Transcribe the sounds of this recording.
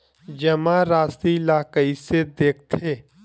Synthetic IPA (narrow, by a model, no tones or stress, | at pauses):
d͡ʒɐmãɾaːst̪ilaːkəised̪eːk̚ʰt̪ʰeː